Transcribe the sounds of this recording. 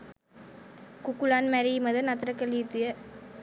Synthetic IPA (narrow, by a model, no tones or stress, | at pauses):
kʊkːulaːnmɛɾimɐðɐnɐt̪ɾɐkːɐlit̪ːʊjɐ